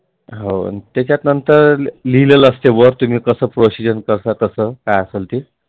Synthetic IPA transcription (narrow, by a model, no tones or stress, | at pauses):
ɦo̰t̪jat͡ɕjat̪nənt̪əɾlilələst̪ebəɾt̪um̤iːkəsəːpɾosid͡ʑənkəɾsat̪əsəːkajəselt̪iː